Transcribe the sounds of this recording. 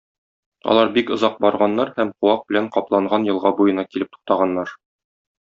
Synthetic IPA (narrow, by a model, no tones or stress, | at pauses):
ɒ̰lˠɑɾbikŏzɑq̚bɒɾʁɑnːɑɾhæmquwɑq̚bɘ̆læɴqɒplˠɑɴʁɑnjɤ̆lˠʁɑbujɤ̆nɑkilɘp̚t̪u̥q̚t̪ɑʁɑnːɑɾ